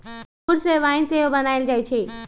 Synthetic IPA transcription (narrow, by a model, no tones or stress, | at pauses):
ʊɾseʋaːɪnseɦobɐnaːɪld͡ʒaːit͡ʃʰeː